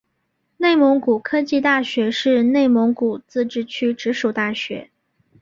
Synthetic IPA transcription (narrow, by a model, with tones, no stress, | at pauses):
ne˥˩ɪmo˧˥ŋku˨˩kʰɤ˥t͡ɕi˥˧t̪a˥˩ɕɥɛ˧˥ʂɻ̩˥˧ne˥˩ɪmɔ˧˥ŋku˨˩t͡sɹ̩˥˧ʈ͡ʂɻ̩˥t͡ɕʰy˥ʈ͡ʂɻ̩˧˥ʂu˨˩t̪a˥˩ɕɥɛ̰˧˥